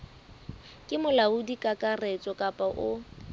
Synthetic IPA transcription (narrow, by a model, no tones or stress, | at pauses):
kʼɪmʊlaʊdikʼakʼarɛt͡sʼɔkʼapʼaʔʊ